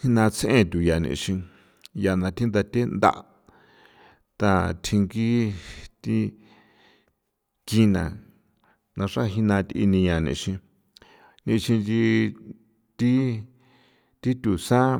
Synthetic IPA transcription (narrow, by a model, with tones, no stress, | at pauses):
hi˦nã˧t͡sʰʔḛ̃˦˧t̪ʲu˨ja˨nḭ̃˧ʃĩ˧ | ja˧nã˧t̪ʰi˦nd̪a˧t̪ʲe˦nd̪a̰˧ʔ | t̪a˧t̪ʰĩ˧ŋɡi˦t̪i˦ | ki˧nã̰˨ | nã˧ʂa˦ɦi˦˧nã˧t̪ḭ˧nĩ˧ɲã˧nḭ̃˧ʃĩ˧ | nĩ˧ʃĩ˧nd͡ʒi˧ | t̪i˦ | t̪i˦t̪u˨sã˦